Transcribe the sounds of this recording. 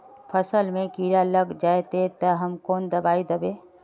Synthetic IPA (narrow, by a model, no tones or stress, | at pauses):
pʰəsəlmẽkiːɽaləɡd͡ʒaːet̪et̪ɐɦɐmkoːnd̪ɐbaːid̪əbeː